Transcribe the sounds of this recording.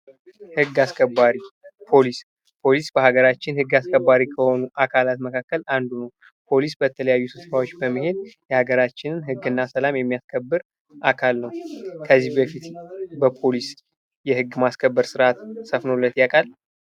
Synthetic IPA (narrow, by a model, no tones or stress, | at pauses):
hɨɡːaskʰəbːaɾipʰo̞lis | pʰo̞lisbəhaɡəɾat͡ʃːɪnhɨɡːaskʰəbːaɾikʰəho̞nuʔakʰalat̪məkʰakːəland̪unəw | pʰo̞lisbət̪ʰələjajːusɨffawo̞t͡ʃːbəmːəhe̞d̪jɛhaɡəɾat͡ʃːɪnɨnhɨɡːɨnːasəlamjɛmːijaskʰəbːɨɾ | ʔakʰalnəwkʰəzːihbəfit̪bəpʰo̞lis | jɛhɨɡːmaskʰəbːəɾsɨɾʔat̪səfnolːət̪jakʼal